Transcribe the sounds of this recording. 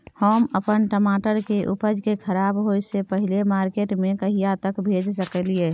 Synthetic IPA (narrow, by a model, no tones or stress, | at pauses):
homəpənʈəmaʈəɾkeʔupəd͡ʒkekʰəɾabɦojsepəɦilemaɾkeʈmẽkəɦijat̪əkbʱed͡ʒsəkəlie